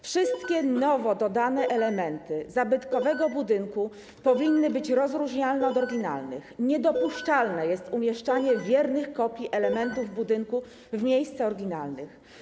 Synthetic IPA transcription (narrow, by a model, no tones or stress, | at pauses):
fʂɘst̪kʲɛnɔvɔd̪ɔd̪anɛʔɛlɛmɛnt̪ɘzabɘt̪kɔvɛɡɔbud̪ɘŋku | pɔvʲinːɘbɘt͡ɕɾɔzɾuʐɲalnɛɔd̪ɔɾɡʲina̰lnɘ̰xɲɛd̪ɔpuʂt͡ʂalnɛjɛst̪umʲjɛʂt͡ʂaɲɛvʲjɛɾnɘxkɔpʲjiʔɛlɛmɛnt̪uvbud̪ɘŋku | vmʲjejst̪sɛɔɾɡʲina̰lnɘ̰x